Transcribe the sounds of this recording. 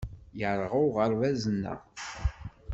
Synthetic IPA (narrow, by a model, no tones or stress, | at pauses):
jəɾˤʁʊʁəɾvæzənːæ̰